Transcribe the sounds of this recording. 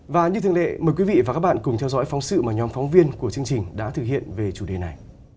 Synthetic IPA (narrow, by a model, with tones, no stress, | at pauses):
vaː˨˩ɲɨ˧t̪ʰɨ˨˧ə˨ŋlḛ˧˨məː˨˩jkwi˨˦vḭ˧˨vaː˨˩kaː˦˥ɓa̰˧˨nkʊ˨˩ŋ͡mt̪ʰɛ˧wzɔ̰˧˥jfɔ˨˦wŋ͡msɨ̰˧˨maː˨˩ɲɔ˨˦mfɔ˨˦wŋ͡mvi˧ənku˧˩ət͡ɕɨ˧əŋt͡ɕï˨˩ŋ̟ɗa̰ː˧˥t̪ʰɨ˨˩k̚hḭ˧˨ənve˨˩t͡ɕu˧˩ɗe˨˩na˨˩j